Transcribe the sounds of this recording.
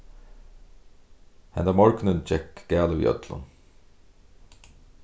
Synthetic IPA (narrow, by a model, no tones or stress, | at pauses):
hɛ̰nd̪æmɔɹknənd͡ʒɛkɡ̥æːləʋḭʔœ̰t̪ʰlʊ̰n